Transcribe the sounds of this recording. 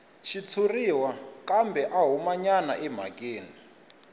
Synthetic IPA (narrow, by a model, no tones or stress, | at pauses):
ʃit͡sʰuriwakʼambɛʔaɦumaɲana̰ʔɛm̤a̰kʼeːni